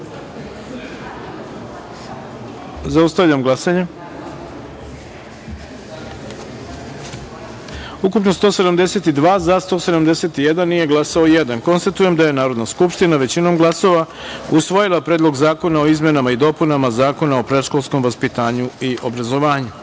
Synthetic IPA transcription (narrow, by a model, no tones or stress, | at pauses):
zaust̪aʋʎamɡlˠasaɲe | ukupnost̪o̞sed̪amd̪ese̞t̪id̪ʋaːzast̪o̞se̞d̪amd̪ese̞t̪ije̞d̪anːije̞ɡlˠasaojed̪anko̞nst̪at̪uje̞md̪aje̞naːɾo̞d̪naskupʃt̪inaʋe̞t͡ɕino̞mɡlˠaso̞ʋa | usʋojilˠapɾe̞ːd̪lˠo̞ɡzaːko̞nao̞izme̞namaid̪o̞punamazaːko̞naopɾe̞ʃko̞lˠsko̞mʋaspit̪aːɲuiʔo̞bɾazo̞ʋaːɲu